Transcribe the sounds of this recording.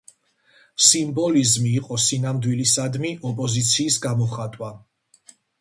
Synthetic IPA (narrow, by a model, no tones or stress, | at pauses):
simbɔlizmiːqʼɔsinamd̪wilisad̪miʔɔpʼɔzit̪sʰiːsɡamɔχat̪ʼwa